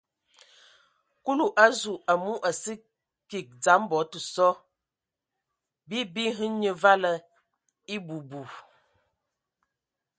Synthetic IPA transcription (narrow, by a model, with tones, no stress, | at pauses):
ku˦lu˨ʔa˦zu˨a˨mu˦ʔa˨si˦ | ki˨k̚d͡za˨˦mbɔ˨˦tə˨sɔ˦ | bi˦bi˦ɦɨ˦ɲə˨va˦lə˨ | i˦bu˨bu˨